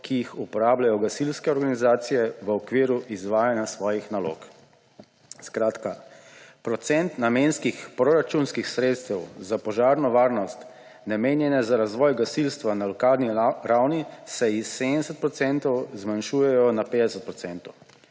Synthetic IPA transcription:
kʰijixupɔɾaːblajɔɡasilskɛɔɾɡanizaːt̪sijɛʋəɔkʋiːɾuʔizʋaːjanjasʋɔːjixnalo̰ːk | skɾaːt̪kapɾɔt̪sɛnt̪namenskixpɾɔɾat͡ʃunskixsɾeːt̪st̪ɛwzapɔʒaːɾnɔʋaːɾnɔst̪ | nameːnjɛnɛzaɾazʋɔjɡasilst̪ʋanalɔkaːlniɾawnisɛisːed̪nɛsət̪̚pɾɔt̪sɛnt̪ɔwzmanʃuːjɛjɔnapeːd̪ɛsət̪̚pɾɔt̪sɛnt̪ɔw

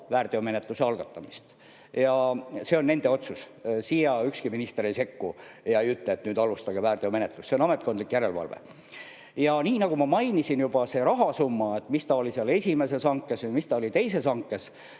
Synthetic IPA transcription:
væːrt̪eome̞net̪ˑluse̞ɑlɡ̥ɑt̪ːˑɑmist̪ | jɑse̞o̞nːe̞nd̪e̞o̞t̪sus | sijɑykskiminist̪eɾejse̞kːu | jɑejyt̪ːˑleːt̪nyːd̪ɑlust̪ɑɡ̥e̞væːrt̪eome̞net̪lusseonɑme̞t̪ˑko̞nd̪likːjæɾe̞lvɑ̰lvḛ | jɑniːnɑɡ̥umɑmɑjnisinjub̥ɑse̞ːɾɑɦɑsumːɑe̞t̪ːˑmist̪ɑo̞liseɑle̞sʲime̞se̞sɑŋkːˑesjmist̪ɑo̞lit̪e̞jse̞sɑŋkːˑes

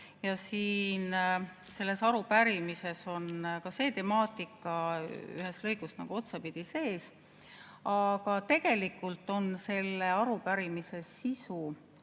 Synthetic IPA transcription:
jɑsiːn | se̞lːe̞sɑɾupæɾimise̞so̞nkɑse̞ːt̪e̞mɑːt̪ˑikːˑɑy̰ɦe̞st̪lɤjɡust̪nɑ̰ɡ̥uo̞t̪sɑpid̪̥ise̞ːs | ɑɡ̥ɑt̪e̞ɡ̥e̞likːˑult̪ːˑo̞nse̞lːeɑɾupæɾimise̞sisu

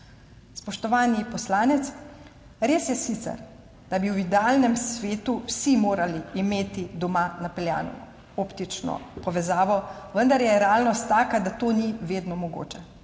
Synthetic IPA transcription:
spɔʃt̪ɔʋaːnipɔslaːnɛt̪s | ɾeːsjɛsit̪sɛ̰ɾ | d̪̥abiwid̪ɛaːlnɛmsʋeːt̪uwsimoːɾaliːmeːt̪id̪ɔmanapɛlja̰ːnɔ̰ | oːpt̪it͡ʃnɔ̰pɔʋɛzaːʋɔʋənd̪aɾjɛɾɛaːlnɔst̪ːaːkad̪at̪oːniʋeːd̪nɔmɔɡo̰ːt͡ʃɛ

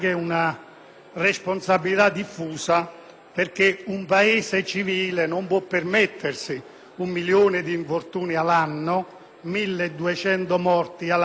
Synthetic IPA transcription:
kɛuna | responsabːilit̪ad̪ːifːuːsa | perk̟eumpaeːsɪt͡ʃiviːlenompwɔpːermet̪ʰːɪrsi | umːiljoːnɪd̪iːɱfort̪uːnialanːʊ | milːd̪ːuet͡ʃɛnt̪ʊmɔrt̪ial

